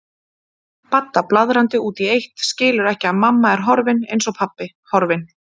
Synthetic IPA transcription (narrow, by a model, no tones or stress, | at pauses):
pat̪ːaplaðɾant̪ɪuːt̪iejht̪scɪːlʏɾɛhcɪaðmamːaɛɾ̥ɦɔɾvɪnejnsɔpʰapːɪ | hɔɾvɪn